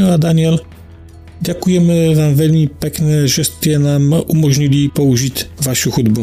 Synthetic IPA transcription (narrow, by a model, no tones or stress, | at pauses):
ad̪aɲɪɛl | ɟɛkujɛmɛvaːmvɛlmipɛknɛʒɛst̪ɛnaːmʔumoʒɲilipouʒit̪vaʃuxud̪bu